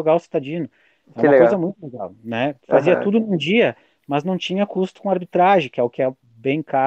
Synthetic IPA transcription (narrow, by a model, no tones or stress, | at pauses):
oɡawʊsi̥t̪ad͡ʒĩnʊ | ɛɾuɪmkojzɐmũj̃t̪ʊleɡawnɛfaziɐt̪ud̪ʊnũd͡ʒiɐ | mɐznɐ̃w̃t͡ʃĩɲɐkust̪ʊ̥kõaɾbit̪ɾaʒẽkɪɛʊkɪɛ | bẽj̃ka